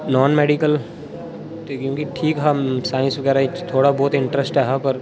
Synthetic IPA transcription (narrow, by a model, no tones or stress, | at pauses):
nɔːnmeːɖikəl | kjõːkiʈʰiːkɦasaːɪ̃nsʋɐɡɛːɾaɪt̪ʰoːɽabɔːt̪ɪ̃ɳʈɾəsʈɦɛɦapɐɾ